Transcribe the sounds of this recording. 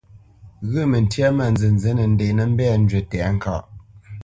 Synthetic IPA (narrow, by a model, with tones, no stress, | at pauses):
ɣə˦˨mə˨n̩˨tja˦ma˨nzɨ˨n˨ze˨˦nə˨n̩˦de˨nə˨m̩˦bɛ˦˨n̩˦d͡ʒə˨tɛ˨˦ŋ̩˨ka̰˦˨ʔ